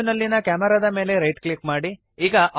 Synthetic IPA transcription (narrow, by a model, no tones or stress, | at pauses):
nɐlːinɐkaːmɛɾad̪ɐme̞ːle̞ɾɐjʈklikmaːɽi | iːɡɐʔ